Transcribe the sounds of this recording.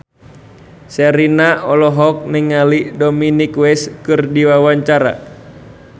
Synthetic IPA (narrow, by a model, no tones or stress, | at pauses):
sɛɾinaɔlɔɦɔk̚niŋalidɔminikwɛskɨrdiwawaɲt͡ʃaɾa̰